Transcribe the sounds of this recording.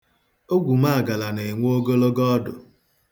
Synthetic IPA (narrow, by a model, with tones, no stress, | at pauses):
o˦ɡʷu˨ma˦a˨ɡa˨la˨ne˨ŋʷ˦o˦ɡo˦lo˦ɡɔ˦dʊ̰˨